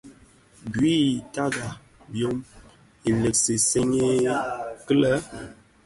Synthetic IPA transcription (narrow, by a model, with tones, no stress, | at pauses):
ɡɥi˦˨ta˦ɡa˨ | bjo˦m | i˨lə˨kse˨se˦ɲe˦kə˦lə˦